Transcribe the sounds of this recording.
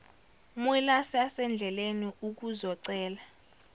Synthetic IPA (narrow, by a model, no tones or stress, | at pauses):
milasasɛnd͡ɮʱɛleniuk̬uzɔǀɛːla